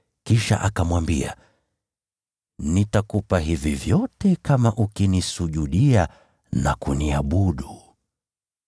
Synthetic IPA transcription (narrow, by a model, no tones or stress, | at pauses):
kiʃa̰ʔakamwambḭa̰ | nitakupaɦivivjɔtɛkamaʔukinisuʄuɗia | na̰kuniaɓuɗu